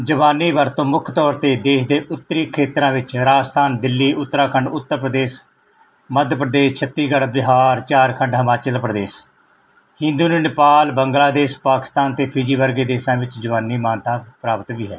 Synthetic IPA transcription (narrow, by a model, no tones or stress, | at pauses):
d͡ʒəʋaːnːiːʋəɾt̪õːmʊkʰt̪ɔːɾt̪eːd̪eːʃd̪eːʔʊt̪ːəɾiːkʰeːt̪ɾãːʋɪt͡ʃɾaːst̪ʰaːnd̪ɪlːiːʔʊt̪ːɾaːkʰəɳɖʊt̪ːəɾpɾəd̪eːs | məd̪pɾəd̪eːst͡ʃʰət̪ːiːɡəɽbɪɦaːɾt͡ʃaːɾkʰəɳɖɦəmaːt͡ʃəlpɾəd̪eːs | hɪ̃nd̪uːnuːnɪpaːlbəŋɡlaːd̪eːspaːkɪ̥st̪aːnt̪eːpʰɪd͡ʒiːʋəɾɡeːd̪eːsãːʋɪt͡ʃd͡ʒəʋaːnːiːmaːnt̪ãːpɾaːpət̪ʋiːɦɛ̰ː